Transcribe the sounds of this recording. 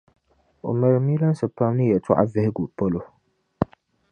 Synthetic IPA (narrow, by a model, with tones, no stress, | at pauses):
o̰˨mɛ˨ɾɨ˨mi˦la˦n˦sɨ˨pa˦mnɨ˦jɛ˨tʰɔ̰˦ʔa̰˦vɛ˦hɪ˦ɡu˨po˦lo˦